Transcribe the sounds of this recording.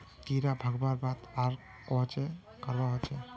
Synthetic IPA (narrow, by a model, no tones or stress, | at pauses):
t̪iɾabʱaɡbaɾbat̪aɾ | kɔɦt͡ʃɛ | kəɾbaɦɔt͡ʃɛ